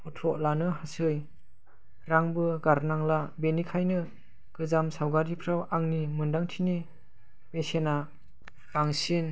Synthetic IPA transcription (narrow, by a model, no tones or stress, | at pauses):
pʰɔtʰɾɔʔlanɯɦasɯj | ɾaŋbɯɡaɾnaŋlabenikʰajnɯ | ɡ̥ɯzamsawɡaɾipʰɾawaŋnimɯndaŋtʰini | b̥esena | b̥aŋsin